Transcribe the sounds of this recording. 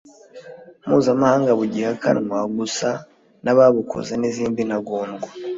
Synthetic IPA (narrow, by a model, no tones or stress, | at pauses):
muːzamahaːŋɡaβuɟihaka̰nŋwaɡusa | naβaβukʰo̰zeniziːmbinaɡoːnɡwa